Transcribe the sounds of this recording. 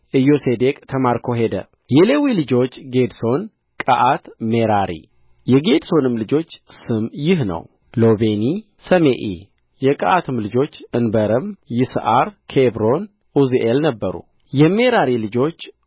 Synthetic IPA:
ʔɨjo̞sed̪ekʼt̪ʰəmaɾkʰo̞ɦe̞d̪ə̰ | jɛlewilɨd͡ʒo̞t͡ʃːɡe̞d̪so̞n | kʼəʔat̪meɾaɾḭ | jɛɡe̞d̪so̞nɨmlɨd͡ʒo̞t͡ʃːsɨmjɪɦnə̰w | lo̞βeni | səmeʔḭ | jɛkʼə̰ʔat̪ʰɨmlɨd͡ʒo̞t͡ʃːɨnbəɾəmjɪsʔaɾkʰebɾo̞n | ʔuzʔelnəbːəɾṵ | jɛme̞ɾaɾilɨd͡ʒo̞t͡ʃː

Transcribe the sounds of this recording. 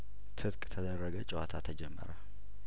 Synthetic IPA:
t̪ʰɨt̪kʼt̪ʰəd̪ərːəɡət͡ʃʼɪwat̪ʰat̪ʰəd͡ʒɛmːə̰ɾə

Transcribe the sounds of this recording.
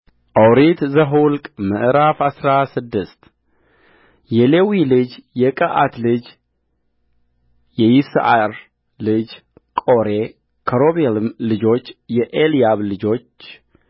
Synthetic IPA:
ʔawɾit̪zəɦulkʼməʔɾafasɾasɨd̪ːɨst̪ | jɛlewilɨd͡ʒjɛkʼəʔat̪lɨd͡ʒ | jɛjisʔaɾ | lɨd͡ʒ | kʼo̞ɾe | kʰəɾo̞βelmlɨd͡ʒo̞t͡ʃːjɛʔelijaβlɨd͡ʒo̞t͡ʃː

